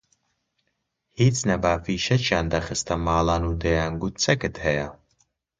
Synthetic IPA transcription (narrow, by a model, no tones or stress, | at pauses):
hiːt͡snɐbaːfiːʃɐt͡ʃʰjaːnd̪ɐxɨst̪ʰɐmaːlaːnuːd̪ɐjaːŋɡut͡sʰɐkɨt̪hɛja